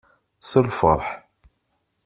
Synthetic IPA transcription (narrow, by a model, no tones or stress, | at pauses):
səlfə̰ɾˤħ